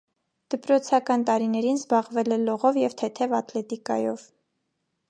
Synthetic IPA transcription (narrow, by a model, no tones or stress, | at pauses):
d̪̥əpɾɔt͡sʰɑkɑnt̪ɑɾinɛɾinzbɑʁvɛlɛlɔʁɔvjɛvt̪ʰɛt̪ʰɛvɑt̪lɛt̪ikɑ̰jɔ̰v